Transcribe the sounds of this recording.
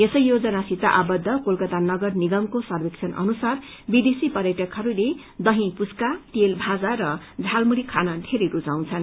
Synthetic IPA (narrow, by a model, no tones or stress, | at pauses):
esʌjːod͡zʌnasit̪a̰ʔabʌd̪ʱːʌkolkʌt̪anʌɡʌrniɡʌmkosʌrbekt͡sʰʌnʔʌ̰nusar | bid̪esipʌɾjeʈʌkʰɦʌɾule | d̪ʌɦĩpuskat̪elbʱad͡zaɾʌ | d͡zʱalmuɽikʰanʌd̪ʱeɾijɾut͡saw̃t͡sʰʌn